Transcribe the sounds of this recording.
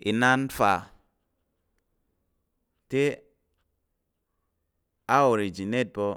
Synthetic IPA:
ḭ˨na˦nfa˨ | te˦ | a˦o˨ɾi˨d͡ʒi˨ne˦t̚bo˦

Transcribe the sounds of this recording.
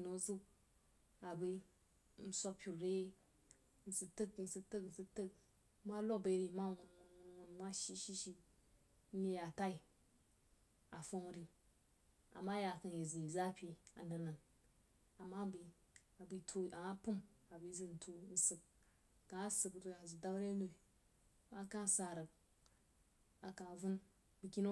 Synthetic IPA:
i˨no˨˦zu˦k̚ | a˨bi˦ | n̩˦so˦pʲu˨ɾe˦ | n̩˦˨sɨ˨tɨ˦kn̩˨sɨ˧tɨ˦kn̩˨sɨ˦tɨ˦k̚ | mʷa˦lo˦k̚be˧˦ɾi˨˦ma˦wo˨nŋu˨nwwu˨n˦mʷa˦ʃi˦ʃi˦ʃi˦ | mʲe˦ja˨ta˦i˨ | a˨fo˦ŋ˨ɾi˨ | a̰˨ma˦ja˨ka˨nje˨zi˨i˨za˦pʲi˦a̰˨n˦da˨na˨n | a˨ma˦bi˨ | a˨bi˨tʰo˦a˨a˦pu˦ma˨bi˨˦zɨ˦n̩˨tʰo˨n̩˨sɨ˨k̚ | ka˨a˦sɨ˨kɾɨ˨ka˨zɨ˨da˦ɾe˦no˨i˨˦ | ma˦ka˦n̩˦sa˨ɾə˨k̚ | a˨ka˨vu˦n | bɨ˨kʲi˦no˦

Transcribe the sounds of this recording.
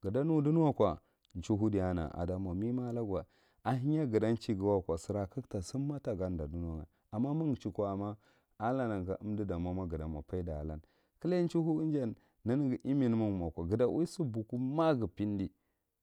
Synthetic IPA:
ɡə˨da˦nu˦du˦n˦a˦kʷa˨ | n˨t͡ʃu˦ɦu˦di˨ja˦na̰˨ʔa̰˨da˨ma˨mi˦ma˦la˦ɡwa˨ | a˨ɦi˦a˦ɡə˨da˦n˦t͡ʃi˦ɡi˨˦wa˦˨kʷa˨si˨ɾa˨kə˦kta˨si˦mːa˦ta˨ɡa˦nda˨du˦n˦a˦ŋa̰˨ | a˨mːa˦mu˦ŋt͡ʃi˨kʷa˨a˨ma˦ | a˦la˦na˨ŋ˨ɡa˨ʔu˦mdi˦da˨ma˦ma˦ɡə˨da˨ma̰˨pa˦i˦da̰˨la̰˦n | kə˦la˦n˦t͡ʃu˦ɦu˦nd͡ʒa˨nː | a˦ni˦ɡi˨ʔi˦mi˨n˦mu˦ŋ˨ma˨kʷa˨ɡə˨da˨wʔu˦su˦bu˨ku˦ma˦ɡi˨pi˦n˦di˦

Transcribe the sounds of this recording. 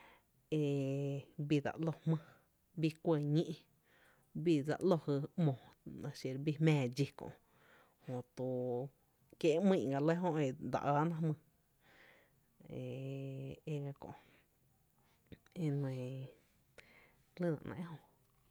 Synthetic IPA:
e˧˨ | bi˧d̪a̰˧˨ʔlo˧hmə̃˧ | bi˧kʷe˧˨ɲĩ˦ʔ | bi˧˨d͡za̰˧ʔlo˧hɨ˧mõ˨nã˧ʃje˧˨ɾbi˧mɛ̃ː˧˨d͡ʒi˧kõ̰˧˨ʔ | hõ˨t̪u˧˨ | kje˦mĩ˧˨ɡa˨lə˦ɦõ˧ʔe˧d̪a̰˧˨ʔaː˧˦nã˦mɨ̃˧ | e˨ | e˧ɡa˧kõ̰˧˨ʔ | e˧nẽ˧˨ | lɨ˦˨nã̰˨ʔnã̰˧ʔhõ˧˨

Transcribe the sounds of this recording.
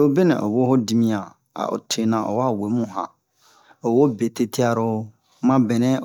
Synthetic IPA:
o˦bɛ˦nɛ̰̃˨ʔo˨wo˦ho˦di˦˨mĩ˦ã˨ | a̰˨ʔo̰˨tʰe˨nã˨ʔo̰˨wa˦˨we˨˦mũ˨ɦã̰˨ | o˨wo˦be˨te˦ti˦a˦ɾo˦ | mã˦bɛ˨nɛ̃˦

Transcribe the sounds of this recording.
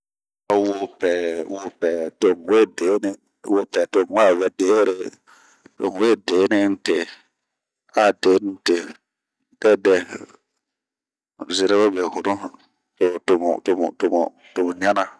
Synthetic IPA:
a˨wo˦pɛ˨wo˨pɛ˨to˨ŋ˨we˦˨de˨˦nɪ˦ | wo˦pɛ˨to˨ŋ˦wa˦˨vɛ˨de˨˦ɾe˨ | to̰˨ŋ˨we˦˨deː˨˦nɪ˦n̩˦te˨ | a˦de˨˦n˦te˨ | kɛ˦dɛ˨ | zɪ˨ɾe˦βɛ˦be˨hʊ˨nʊ˦ | to˨tʊ˨m̰˨tʊ˨m̰˨to˨mo̰˨ | to˨mu˨ɲa˦na˨

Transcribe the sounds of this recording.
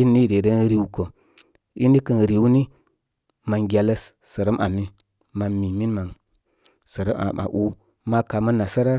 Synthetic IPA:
i˦nːi˦˨de˨də˦nɾi˦wko˨ | i˦ni˦kə˨n˨ɾi˨wni˦ | ma˨ŋɡʲa˨lə˦sːə˨ɾə˦mʔa˨mi˦ | ma˨mi˨mi˦nma˨n | sə˨ɾə˦ma̰˨ma̰˨ʔu˦ | ma˦ka˨ma˦nːa˨sa˦ɾa˦

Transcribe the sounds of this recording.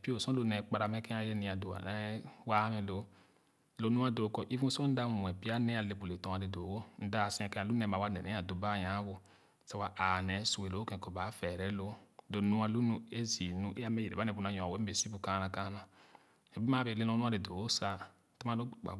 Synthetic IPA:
pi˦o˨sɔ̃˦lo˦nɛ˨k͡pa˧ɾa˨mɛ˦kɛ̃˦a˦je˦nĩ˨a˨do˨a̰˨nɛ˦wa˦mɛ˧lo˨˦ | lo˨˦nu˦a˦do˨˦kɔ˨ʔi˦vũ˦sɔ̃˦n̩˦da˦mu˨ɛ˨pi˦a˦nɛ˦a˨le˨bu˨le˨tɔ̃˨˦a˨de˨do˨wo˦n̩˦da˦˨si˦ɛ̃˨kɛ̃˦a˨lu˦nɛ˨˦ma˨wa˨˦nɛ˨nɛ˨˦a˨do˨ba˦˨jã˨˦bo˧ | sa˨wa˨ʔa˨nɛ˨˦su˨e˨lo˨˦o˦kɛ̃˨kɔ˨ba˨˦fɛ˨ɾɛ˨˦lo˦lo˨nu˦a˨lu˦nu˧˦e˦zi˨nũ˦ʔe˦a˦mɛ˦jɾḛ˨ba˦nɛ˨bu˨na˨˦jɔ̃˨wɛ˨˦be˨si˦bu˨ka˨˦na˨ka˦na˨ | ɛ˨bi˦m˦a˦be˨le˦nɔ̃˦nũ˦a˦de˨do˨wo˦sa˨˦ | ta˦ma˦lo˦˨ɡ͡ba̰˨

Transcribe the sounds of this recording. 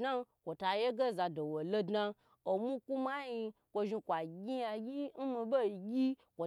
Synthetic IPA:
na˦kʷo˨ta˧je˦ɡe˦˨za˧do˨wo˨lo˧dna˧ | o˨mu˦ku˦ma˦ji˧ | kʷo˧ʒi˧kʷa˨ɡʲi˦ja˧ɡʲi˦n̩˦mi˧bo˦i˨ɡʲi˦kʷo˨

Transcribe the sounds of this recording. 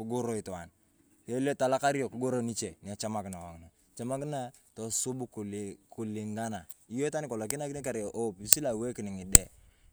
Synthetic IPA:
ku˦ɡo˦ɾo˦i˨tɔ˨a˨n | je˦le˦ta˨la˦ka˦ɾi˦ɔ˨ku˦ɡo˦ɾo˦ni˦t͡ʃe˨ni˨a˨t͡ʃa˦ma˦kɪ˨na˨wa˨ŋ˨na˨ | t͡ʃa˦ma˦kna˦ | tɔ˨su˦bu˦ku˨ku˨li˨ŋɡa˦na˨i˦jo˦ta˦nɪ˦kɔ˨la˨k̬ɪ˦na˦kɪ˦n˦ka˨ɾe˨ʔo˦pi˨si˦la˨we˦ki˨nɪ˨ŋɪ˨dɛ˦˨

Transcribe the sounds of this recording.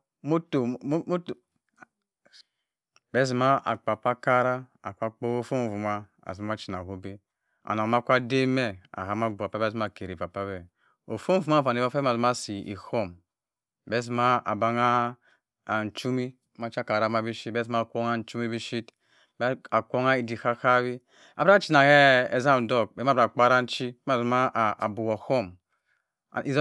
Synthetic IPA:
mo˦to˨˦t | bɛ˦zi˨ma˦ʔa̰˨k͡pa˨pa˦ka˦ɾa˦a̰˨ka˦k͡po˦o˦fo˦˨vu˨ma˦ | a̰˨zi˨˦a˦t͡ʃi˨na˨ɦo˦bi˦ | a̰˨na˨ma˦kʷa˦de˦me˦a̰˨ɦa˨ma˦bu˨a˨pa˦be˦zi˦m˦a˦˨ke˨ɾi˨va˨pa˦bɛ˦ | o˨fo˦m˦˨vu˨ma˦˨va˨ni˨va˦pa˨zi˦m˦a˦si˨ʔḭ˨ho˦˨m | be˦s̬ma˦a˨ba˨ŋa˦˨ | n̩˨t͡ʃu˦mi˦ | ma˦t͡ʃa˦ka˨ɾa˨ma˦bi˦ʃi˦bɛ˦si˦ma˦˨kʷo˦ŋa˦n̩˨˦t͡ʃu˦mi˦bi˦ʃi˦t | ba˨kʷo˦ŋa˦i˨di˨ka˦ka˦βi˦ | a̰˨ba˦t͡ʃi˦na˨hɛ˦e˨za˦˨do˦˨k̚be˦a˦bɾa˨k͡pa˦ɾa˦n̩˦t͡ʃi˦ma˦˨zma˦˨bu˨wɔ˨ho˦m̰˨ | i˨z

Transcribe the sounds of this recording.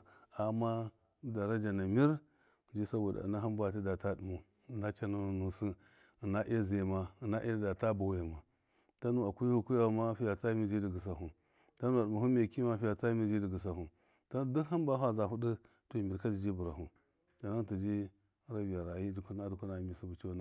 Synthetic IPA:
a˨ma˦ | da˨ɾa˦d͡ʒa˨na˨mi˦ɾ | d͡ʒi˦sa˦bo˨da̰˨na˦ɦa˦mba˨t̬i˦da˨ta˦du˨mu˨ | na˦t͡ʃa˦nu˦nu˨nu˨si˦˨ | na˦ʔe˦ze˨ma˦˨na˦ʔe˦da˨ta˦ba˨we˨ma˨ | ta˦nu˦a˨ku˦hu˦ku˦ja˦˨˦ma˦fi˦ja˨t͡sa˦mi˨d͡ʒi˦di˨ɡi˨s̬a˨u˨ | ta˦nu˦a˨u˨mu˨u˦me˨ki˦ma˦fi˦ja˨t͡sa˦mi˦˨d͡ʒi˦di˨ɡə˨s̬a˨ɦu˨ | ta˦nu˦du˦kha˦mba˦ɦʷa˨za˨ɦu˦di˦ | tmi˨ɾka˦di˨d͡ʒi˦bu˨ɾa˨ɦu˨ | d͡ʒa˨na˦ŋ˦ti˨d͡ʒi˦ | ɾa˦bi˨ja˨ɾa˨ji˦d͡ʒi˨ku˦n˦a˦du˨ku˦na˨mi˨si˦bu˨t͡ʃi˦na˦

